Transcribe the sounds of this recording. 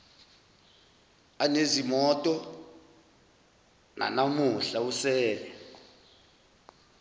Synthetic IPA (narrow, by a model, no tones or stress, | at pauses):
anezimɔtʼɔ | na̰namuɬausɛːlɛ